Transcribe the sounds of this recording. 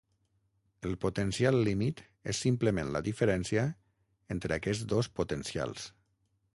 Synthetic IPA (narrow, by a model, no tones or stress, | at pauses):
əlˠpot̪ənsialˠːimit̪ | ḛsːimpləmenləðifəɾɛnsiə | ent̪ɾəːkɛzd̪ospot̪ənsia̰lˠs